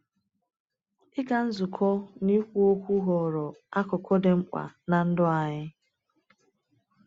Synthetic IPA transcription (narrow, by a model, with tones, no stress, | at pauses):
ɪ˦ɡa˨n̩˦zʊ˨kʰɔ˦ni˦kʷu˦o˦kʷu˦ɦɔ˨ɾɔ˨a˦kɔ˨kʰɔ˦de˨ŋ͡m̩˦k͡pʷa̰˨na˨n̩˦dʊ˦a˨ɲɪ˦